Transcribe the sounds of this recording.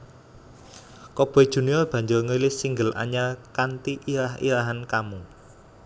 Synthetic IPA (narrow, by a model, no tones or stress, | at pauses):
kɔb̥ɔd̥ʒ̥ṳniɔlb̥ä̤ɲd͡ʒʊrŋəlɪsiŋɡəlʔa̰ɲakant̪iʔiɾaɦḭɾaɦankamu